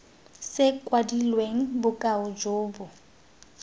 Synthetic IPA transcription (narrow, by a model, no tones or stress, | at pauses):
sɪkʼwadilweŋ̩bʊkʼaʊd͡ʒoːbʊ